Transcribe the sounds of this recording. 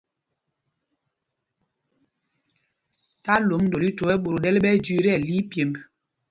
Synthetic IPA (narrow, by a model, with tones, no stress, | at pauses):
ta˦lo˨˦mndo˨li˦to˨ɛ˦ɓo˨ɾo˨ɗɛ˦lɓɛ˦d͡ʒi˦ɾɛ˦˨li˦pje˨m